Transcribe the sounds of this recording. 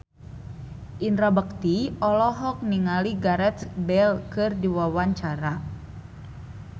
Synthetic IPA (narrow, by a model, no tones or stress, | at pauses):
ʔindɾabək̚t̪iɔlɔɦɔk̚niŋaliɡaɾɛt̪sbɛlkɨrdiwawaɲt͡ʃaɾa